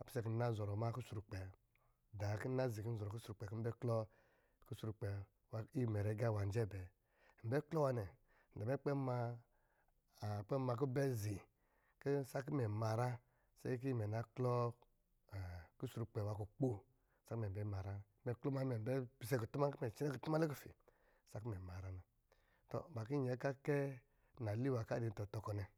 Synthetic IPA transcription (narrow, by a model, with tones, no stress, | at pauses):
a˨pi̥˨sɛ˦ki˨˦na˦zɔ˨ɾɔ˨ma˦ku˦su˧ɾu˨˧k͡pɛ˨ | da˨ki˦na˦zi˨ki˦n̩˦zɔ˨ɾɔ˨ku˦su˦ɾu˨k͡pɛ˨ki˦m̩˦bɛ˦klɔ˦ | ku˦su˧ɾu˧k͡pɛ˨ | wa˧i˦˨mɛ˨ɾɛ˨˦ɡa˦˨wa˨n˦d͡ʒɛ˦˨bɛ˨ | m̩˨bɛ˦klɔ˦wa˧nɛ˨ | n̩˨da˨mɛ˦k͡pɛ˦ma˧˨ | k͡pɛ˦ma˧k̬u˦bɛ˦zi˨ | ki˦sa˦k̬i˦mɛ˨ma˨ɾa˦ | sɛ̰˦k̬i˦˨mɛ˨na˨˦klɔ˦˨ | ki˦su˨ɾu˧k͡pɛ˨wa˨˧ku˨k͡po˦˨ | sa˦mɛ˨bɛ˦ma˨ɾa˦˨˦mɛ˨klɔ˦ma˨˧˦mɛ˨m˨bpi˧sɛ˦ku˨tu˦ma˦ki˦mɛ˨t͡ʃi˦nɛ˦ki˨tu˦ma˦le˦ku˦˨fḭ˨ | sa˦ki˦mɛ˨ma˨ɾa˦na˨ | tɔ̰˨ba˨ki˦ɲɛ˨˦ka˦kɛ˦ | n˨a˨li˦wa˨ka˦di˨n̩˨tɔ˧tɔ˧kɔ˧nɛ˨